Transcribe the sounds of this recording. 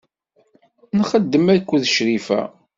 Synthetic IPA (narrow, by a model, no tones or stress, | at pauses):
nχəd̪ːəmækʷːuðəʃɾifæ̰